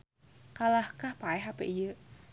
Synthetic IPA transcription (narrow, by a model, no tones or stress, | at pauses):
kalahkahpaɛɦapḛʔijə